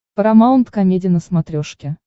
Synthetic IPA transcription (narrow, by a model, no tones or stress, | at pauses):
pəɾɐmaʊnt̪kɐmʲedʲɪnəsmɐt̪ɾʲoʂkʲɪ